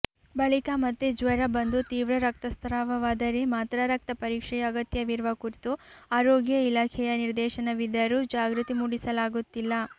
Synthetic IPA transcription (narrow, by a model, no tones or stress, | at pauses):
bɐɭikamɐt̪ːed͡ʒʋɐɾɐbɐnd̪ut̪iːʋɾɐɾɐk̚t̪ɐst̪ʰɐɾaːʋɐʋaːd̪ɐɾemaːt̪ɾɐɾɐk̚t̪ɐpɐɾiːkʂɛjɐːɡɐt̪jɐʋiɾʋɐkuɾit̪uaːɾoːɡjɐilaːkʰɛjɐniɾd̪ɛːʃɐnɐʋid̪ɐɾud͡ʒaːɡɾut̪imuɽisɐlaːɡut̪ːilːɐ